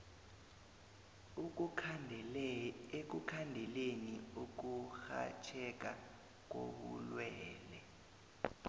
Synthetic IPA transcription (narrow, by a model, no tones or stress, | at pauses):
ek̬ukʰandʱɛleniuk̬uxa̰t͡ʃʰɛk̬ʼa | k̬o̰ɓulwɛːlɛ